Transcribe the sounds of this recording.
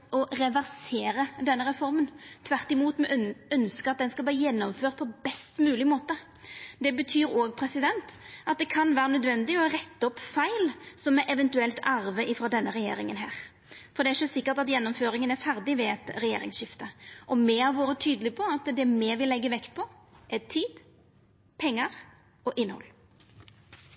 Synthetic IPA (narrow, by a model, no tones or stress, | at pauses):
ɔɾɛʋæɾseːɾəd̪ɛnːəɾɛfɔɾmənt̪ʰʋæɾt̪ɪmuːt̪mɛʔœnskəɾɑt̪̚d̪ɛnskɑlbliːəjɛnːɔmføːʁt̪̚pʰɔbɛst̪mʉːlɪmoːt̪ə | d̪ɛbət̪ʰyːɾoːɡpʰɾɛsɪd̪ɛnt̪ɑt̪̚d̪ɛkʰɑnʋæːɾənœd̪ʋɛnd̪ɪɔɾɛt̪ːəɔpːfæɪlsɔmɛʔɛʋɛnt̪ʉɛlt̪ɑɾʋəʔɪfɾɑːd̪ɛnːəʁɛjḛːɾɪŋənɦæ̰ːʁ | fɔʁd̪ɛæɪʃəsɪkːət̪ɑt̪jɛnːɔmføːɾɪŋənæɾfæɾd̪ɪʋɛɛt̪ɾɛjḛːɾɪ̰ŋsʃɪft̪əʔɔmɛhɑɾʋoːɾət̪ʰyːd̪əlɪpʰɔɑt̪d̪ɛmɛʋɪlɛɡːəʋɛkt̪̚pʰɔ | ʔɛt̪ʰiːd̪ | pʰɛŋːəɾ | ɔʔɪnːəhɔ̰lː